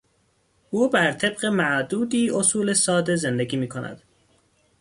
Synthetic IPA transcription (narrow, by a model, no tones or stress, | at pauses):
ʔuːbæɾt̪ʰe̞bɢe̞mæʔd̪uːd̪iːʔo̞suːle̞sɒːd̪ezend̪eɡiːmiːkʰonæ̰d̪̥